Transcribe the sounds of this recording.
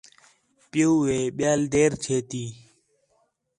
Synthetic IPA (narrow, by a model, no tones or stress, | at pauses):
pɪjuːʋeːɓjaːld̪eːɾt͡ʃʰeːt̪iː